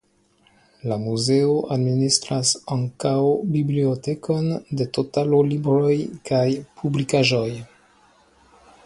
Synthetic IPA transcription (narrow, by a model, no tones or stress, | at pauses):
lamuze̞oʔadministɾasaŋkawbibliote̞kʰo̞ndetotalolibɾo̞jkajpʰublikaʒo̞j